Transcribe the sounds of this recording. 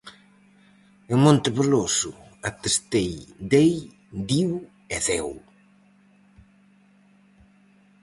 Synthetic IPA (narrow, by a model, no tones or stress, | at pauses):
emõnt̪ɪβelosu | at̪est̪ejd̪ej | d̪iw | eθɛw